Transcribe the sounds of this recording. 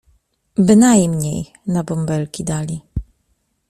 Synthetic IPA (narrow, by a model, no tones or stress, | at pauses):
bɘnajmɲej | nabɔmbɛlkʲid̪alʲi